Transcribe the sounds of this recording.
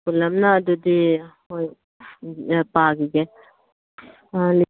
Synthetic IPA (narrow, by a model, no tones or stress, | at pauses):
kulɐmnaːd̪ud̪ihoj | paːɡiɡe | l